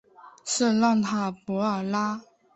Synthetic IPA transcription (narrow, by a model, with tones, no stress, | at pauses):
ʂ̩˥˧lɑ˥˩ŋt̪ʰa˥pɔ˧˥ə˞˨˩la˥